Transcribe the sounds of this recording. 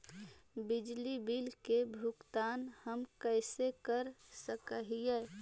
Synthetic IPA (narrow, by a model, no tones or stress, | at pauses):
bɪd͡ʒlibilkebʱukt̪aːnhəmkəɪsekəɾsəkəɦijɛː